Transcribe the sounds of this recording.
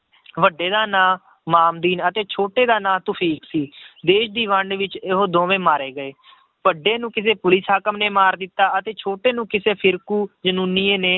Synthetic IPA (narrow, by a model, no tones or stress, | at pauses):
ʋəɖːeːd̪aːnãː | maːmd̪iːnət̪eːt͡ʃʰoːʈeːd̪aːnãːt̪ʊpʰiːksiːd̪eːʃd̪iːʋəɳɖʋɪt͡ʃɪɦoːd̪õːʋẽːmaːɾeːɡəeː | ʋəɖːeːnũːkɪs̬eːpʊlɪsɦaːkəmneːmaːɾd̪ɪt̪ːaːət̪eːt͡ʃʰoːʈeːnũːkɪseːpʰɪɾkuːd͡ʒənuːniːẽːneː